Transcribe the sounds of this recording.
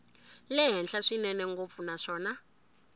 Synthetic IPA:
lɛɦɛnɬaʂinɛnɛŋɡop̪funaʂɔːna

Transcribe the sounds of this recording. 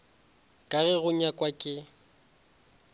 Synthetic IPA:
kʼaɣɛɣʊɲakʼwakʼɪ

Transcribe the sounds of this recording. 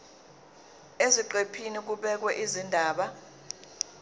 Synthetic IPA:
eziǃepʰinik̬uɓɛk̬wɛʔizindʱaːɓa

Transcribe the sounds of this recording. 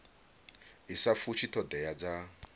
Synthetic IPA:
isafut͡ʃʰit̪ʰɔd̪ɛjad͡za

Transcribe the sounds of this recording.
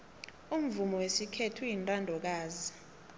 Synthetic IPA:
um̩vumɔwesikʰetʰujintʼandʱɔk̬aːzi

